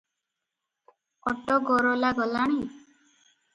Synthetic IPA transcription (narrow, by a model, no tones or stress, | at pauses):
ɔʈɔɡɔɾɔlaɡɔlaɽ̃i